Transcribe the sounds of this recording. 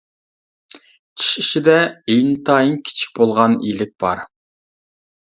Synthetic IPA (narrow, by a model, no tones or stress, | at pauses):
t͡ʃʰi̥ʃiʃid̪ɛejnt̪ʰɑːjiŋkʲʰi̥t͡ʃʰi̥k̚ʲbolˠʁɑnḭlɪk̚ʲb̥ɑ̰ɾ